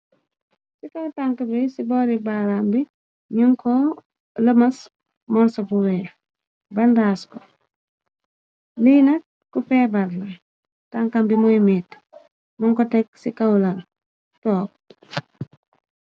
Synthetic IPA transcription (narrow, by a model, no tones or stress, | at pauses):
sikɐwtaŋkəbisibɔːɾibaɾambi | ɲuŋkɔ | ləmɐs | mɔɾsɐbuwɛː | bɐndaːskɔ | liːnɐk̚ːupɛːbɐɾlɐ | taŋkambimɔjmit | mɔŋkɔtɛk̚sikɐwlɐ | tɔːk̚